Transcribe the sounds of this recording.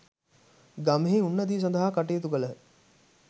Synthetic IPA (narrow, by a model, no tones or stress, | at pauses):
ɡamɦiunːɐd̪iːs̬ɔnd̪aɦaːkaʈijet̪uɡələ